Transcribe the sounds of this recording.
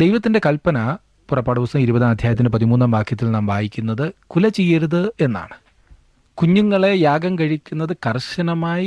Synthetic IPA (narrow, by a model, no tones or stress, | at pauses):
d̪ejʋɐt̪ːinde̞kɐlpɐnɐ | purɐpːaːɽiʋɐsɐmiɾubɐðaːmɐd̪ʱjaːjɐt̪̬ːindepɐðimuːnːaːmbaːkʰːjɐt̪ːilnaːmbʱaːjikʲːunːɐðɨkulɐt͡ɕejːɐɾuðɨe̞nːa̰ːɳɨ | kuɲːuŋːɐɭe̞jaːɡɐmkɐɻikʲːunːɐðɨkɐrɕɐnɐmaːji